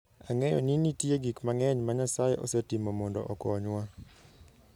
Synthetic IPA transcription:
aŋɛjɔ̰ninitjeɡikmaŋɛɲmaɲasajeʔɔ̰sɛtimomɔndɔʔɔkɔɲwa

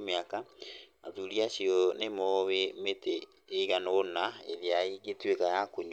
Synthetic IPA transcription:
meakaaðuɾiaɕiɔnemowemeteː | ɣanonaḛðeaiɡetwekajakoɲ

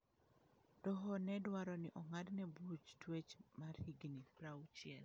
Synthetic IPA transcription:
dɔɦɔnɛdwaɾɔnɪʔɔŋadnɛbut͡ʃtwet͡ʃmarhiɡnipɾawt͡ʃɪɛl

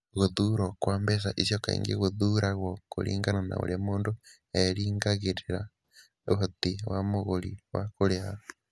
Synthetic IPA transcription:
ɣoðuːɾɔkwaːmbɛs̬aʔisjɔkaḭŋɡeɣoðuɾaɣwɔko̰ɾḭːŋɡanana̰o̰ɾjamoːndo | ɛɾiːŋɡaɣeɾeɾa | hotiwamoɣoɾḭwakoɾeato̥

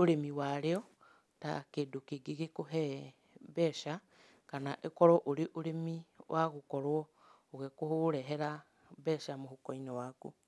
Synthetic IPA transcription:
oɾemiwaɾeɔ | ta̰keːdokeɡeɣekoɦɛ | βɛʃa | kanaʔekɔɾɔʔoɾeʔoɾemiwʔaɣokɔɾwɔ | oɣekohoɾɛɦɛɾa | βɛʃamohokɔinɔwaku

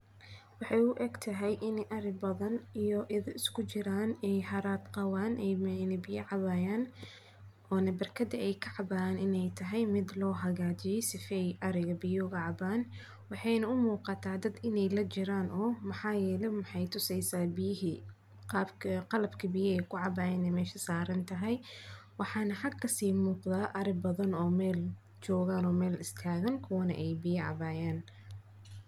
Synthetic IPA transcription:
wɑħɑjʊʔɛɡt̪ʰɐɦɛjʔɪnɛjʔɐɾɪɡ̚bɐðɐnijɔʔɪðɐɪskʰʊt͡ʃɪɾaːnɛjɦɐɾaːd̪qɑwaːnʔɛjmɛjnɐbɪjɐʕɑβaːjaːn | ɔːnɐbɐrkʰɐd̪ɐʔɛjkʰɐʕɑbaːjaːnɪnɛjt̪ʰɐɦɛjmɪd̪lɔːɦɐɣaːt͡ʃɪjɔsɪfɛjʔɐɾɪɣɐbɪjɔɣɑʕɑbaːn | wɑħɑjnɐʊmuːqɑt̪ʰaːd̪ɐd̪ɪnɛjlɐt͡ʃɪɾaːnʔɔːmɑħɑːjɛːlɛmɑħɑjt̪ʰʊsɛjsaːbɪjɪɦi | qɑːbkʰɐqɑlɐbkʰɐbɪjɐɛjkʰʊʕɑbaːjɛːnɛjmɛːʃɐsaːɾɐnt̪ʰɐɦɛjwɑħɑːnɐħɑɡkʰːɐsiːmuːqðaːʔɐɾɪbɐðɐnɔːmɛːl | t͡ʃɔːɣaːnɔːmɛːlɪst̪ʰaːɣɐnkʰʊwɐnɐ̰ʔɛjbɪjɐʕɑ̰βaːjaːn

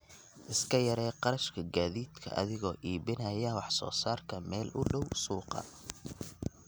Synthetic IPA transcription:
ʔɪskʰɐjɐɾɛːqɑɾɐʃkʰɐɡaːðiːd̪kʰɐ̰ʔɐ̰ðɪɣɔːʔiːbɪnɐjɐwɑħsɔ̰ːsaːrkʰɐmɛːlʔʊɖɔwsuːqɑ̰

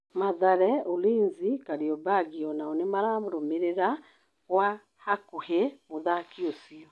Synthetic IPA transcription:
maðaɾɛoliːnzikaɾiɔbaɡiɔnaɔnemaɾaːmoɾomeɾeɾa | ɣwa | hakuhemoðakiosiɔ

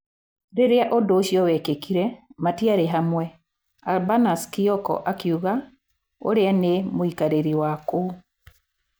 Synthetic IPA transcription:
ɾeɾeaʔodoːʃjɔwɛkekiɾɛmatiaɾeɦamwɛ | albanaskiɔkɔ̰ʔakiuɣa | o̰ɾeanemoikaɾeɾiwako

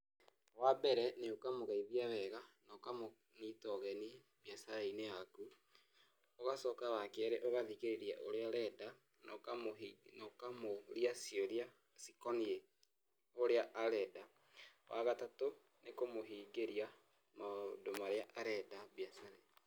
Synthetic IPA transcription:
wabɛɾɛneokamoɣaiðjaβɛɣanɔkamo | nitɔɣɛni | βjasaɾeineaku | oɣasɔːkaβakɛɾeʔoɣaðiːɣeɾeɾiaʔoɾeaɾɛda | nɔkamoinɔkamoɾjasioɾia | sikɔnie | oɾeaʔːɾɛda | wʔaɣatato | nekomoɦiːŋɡeɾia | madomaɾeaʔaɾɛdaβjasaɾe

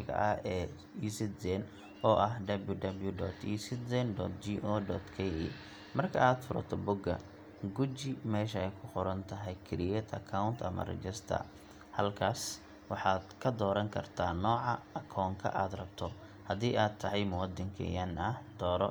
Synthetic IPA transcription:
ɣɐ̰ʔɐɛː | iːsɪt̪zɛn | ɔːʔɐɦd̪ɐbljʊɖɐbljʊɖɔːt̪ʰiːsɪt̪zɛnd̪ɔːt̪d͡ʒiːʔɔːdɔːt̪kʰɛḭ | mɐrkʰɐaːd̪fʊɾɐ̰t̪ʰɔbʊɡɐ̰ | ɡʊt͡ʃɪmɛːʃɐɛjkʰʊqʊɾɐnt̪ʰɐɦɛjkʰɪɾɪjɛt̪ʰɐ̰kʰawnt̪ʰɐ̰mɐ̰rɛ̰t͡ʃɛst̪ʰɐ̰r | hɐlkʰaːs | wɑħɑːd̪kʰɐd̪ɔːɾɐŋkʰɐrt̪ʰaːnɔːʕɑɐkʰɔːŋkʰɐ̰ʔaːd̪rɐbt̪ʰɔ | hɐðiːʔaːdt̪ʰːɐɦɛjmʊwɑd̪ɐŋkʰɛ̰janɐhd̪ɔːɾɔ

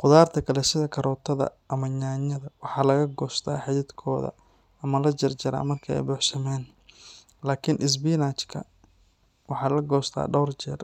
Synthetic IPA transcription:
qʊðaːrt̪ʰɐkʰɐlɛsɪðɐkʰɐɾɔːt̪ʰɐðɐ̰ʔɐmɐɲaːɲɐðɐwɑħɑːlɐɣɐɡɔːst̪ʰa̰ːħɪðɪd̪kʰɔːðɐ̰ | ɐmɐlɐd͡ʒɐrt͡ʃɐɾa̰ːmɐrkʰɐɛ̰jbɔːħsɐmɛːn | laːkʰɪnʔɪs̬biːnaːt͡ʃkʰɐ̰ | wɑħɑːlɐɡɔːst̪ʰa̰ːɖɔwrt͡ʃɛr

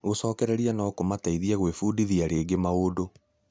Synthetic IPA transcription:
ɣosɔːkɛɾɛɾianakomataiðiaɣwefuːdiðiaɾeːɡemaodo

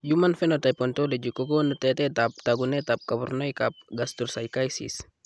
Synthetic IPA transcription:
d͡ʒumanfɛnot̪ajpɔnt̪oled͡ʒukoɡonut̪ɛt̪ɛt̪ap̚t̪aɡunɛt̪ap̚kabɔrnoikap̚ɡast̪ursaikajsḭs

